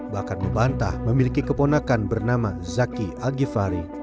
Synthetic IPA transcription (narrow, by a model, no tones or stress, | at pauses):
bahkanməmbant̪a̰hməmilikikəponakanbərnamazakiaɡifaɾi